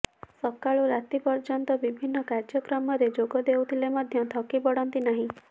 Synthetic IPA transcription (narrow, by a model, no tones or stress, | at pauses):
sɔkaɭuɾat̪ipɔɾt͡ʃɔnt̪ɔbibʱinːɔkaɾd͡ʒɔkɾɔmɔɾed͡ʒoɡɔd̪ewt̪ʰilemɔd̪ʱjɔt̪ʰɔkibɔɽɔnt̪inaɦĩ